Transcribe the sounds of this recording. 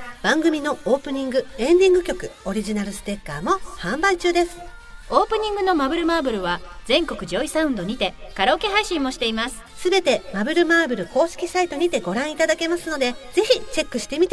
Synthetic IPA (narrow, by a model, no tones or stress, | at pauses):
b̥ãŋɡɯ̟mʲino̞oːpɯ̟ɲ̟ĩŋɡɯ̟ẽ̞nd̪ʲĩŋɡɯ̟kʲo̞kɯ̟o̞ɾʲiʑinaɾɯ̟sɨ̥t̪e̞kːaːmo̞hãmbait͡ɕɨːd̪e̞sɨ̥ | o̞ːpɯ̟ɲ̟ĩŋɡɯ̟no̞mabɯ̟ɾɯ̟maːbɯ̟ɾɯ̟βazẽ̞ŋko̞kɯ̟ʑo̞isaɯ̟̃nd̪o̞ɲ̟it̪e̞kaɾoːke̞ɦaiɕĩmːo̞ɕi̥t̪e̞imasɨ̥sɨbe̞t̪e̞mabɯ̟ɾɯ̟maːbɯ̟ɾɯ̟ko̞ːɕi̥kʲisait̪o̞ɲ̟it̪e̞ɡo̞ɾãɰ̃it̪ad̪ake̞masɨno̞d̪e̞d͡ze̞çit͡ɕe̞kːɯ̟ɕi̥t̪e̞mʲit̪e